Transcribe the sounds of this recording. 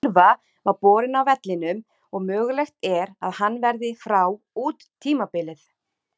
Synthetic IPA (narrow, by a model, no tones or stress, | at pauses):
va | vaɾpɔːɾɪnawvɛt̪lɪnʏm | ɔɣmœːɣʏlɛxt̪ɛɾaðhanːvɛɾðɪfɾaw | uːt̪ʰːiːmapɪlɪθ